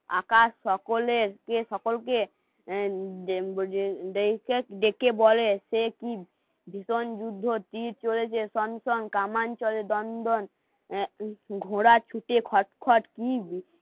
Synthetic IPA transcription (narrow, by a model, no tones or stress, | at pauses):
a̰kasːɔkoleɾkesɔkolke | ɖekeɖekebɔleseki | bʱisond͡ʒud̪ʱːot̪iɾt͡ʃolet͡ʃʰesɔnsɔnkamant͡ʃɔled̪ɔnd̪ɔn | ɡʱoɽat͡ʃʰuʈekʰɔʈkʰɔʈkib